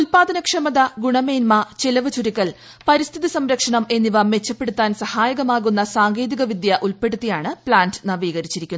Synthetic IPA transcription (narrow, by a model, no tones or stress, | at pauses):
ulpaːd̪ɐnɐkʂɐmɐðɐɡuɳɐmeːnmɐt͡ɕelɐʋɨt͡ɕuɾikːɐl | pɐɾist̪ʰiðisɐmɾɐkʂɐɳɐme̞nːiʋɐme̞t͡ɕːɐpːeɽut̪ːaːnsɐhaːjɐɣɐmaːɣunːɐsaːŋɡe̞ːd̪iɣɐʋid̪jɐʔulpe̞ɽut̪ːijaːɳɨpɭaːndɨnɐʋiːɣɐɾit͡ɕːiɾikʲːunː